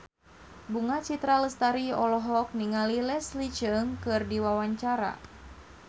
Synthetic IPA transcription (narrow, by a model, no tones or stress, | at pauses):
buŋat͡ʃit̪ɾaləst̪aɾiɔlɔɦɔk̚niŋalilɛslit͡ʃəŋkɨrdiwawaɲt͡ʃaɾa̰